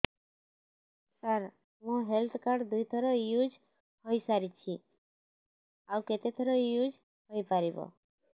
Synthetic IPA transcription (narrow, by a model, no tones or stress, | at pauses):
səɾ | mũɦelt̪ʰkaɾɖd̪ujt̪ʰɔɾɔjud͡ʒ | hoisaɾit͡ʃʰi | awket̪et̪ʰɔɾɔjud͡ʒ | ɦojpaɾibɔ̰